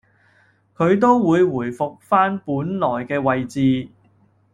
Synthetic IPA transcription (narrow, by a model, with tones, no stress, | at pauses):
kʰɵ˨˧ɥt̪̬o˥wwuː˨˧jwuː˨˩jfʊ˨k̚faː˥npuː˨˥nlɔː˨˩jkɛː˧wɐ˨jt͡siː˨˧